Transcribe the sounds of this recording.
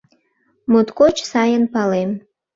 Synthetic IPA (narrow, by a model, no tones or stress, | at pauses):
mut̪kot͡ʃsɑjənpɑlem